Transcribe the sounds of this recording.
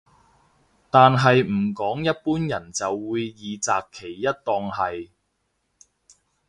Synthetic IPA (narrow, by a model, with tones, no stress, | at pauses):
t̪aː˨nɦɐ˨jm̩˨˩kɔː˨˥ŋjɐ˥t̚puː˥njɐ˨˩nt͡sɐ˨wːuː˨˧jːiː˨˧t͡saː˨kʰːe˨˩jːɐ˥t̚t̪ɔː˧ŋɦɐ˨j